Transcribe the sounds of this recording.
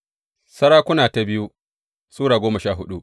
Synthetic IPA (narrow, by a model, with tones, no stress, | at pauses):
sɐ˦ɾaː˦kʷʊ˦naː˨ta˨bɪ˦ju˦ | suː˦ɽaː˨ɡʷoː˦mɐ˨ʃaː˦˨ɦʊ˦ɗu˦